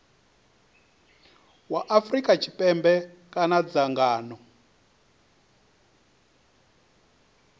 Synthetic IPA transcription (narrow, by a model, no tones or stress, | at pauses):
waʔafrikʼat͡ʃʰipʼɛmbɛkanad͡zaŋɡaːnɔ